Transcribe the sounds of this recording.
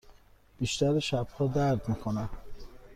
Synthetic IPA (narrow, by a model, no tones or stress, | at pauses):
b̥iːʃt̪æɾeʃæb̥hɒːd̪æɾd̪miːkʰonæm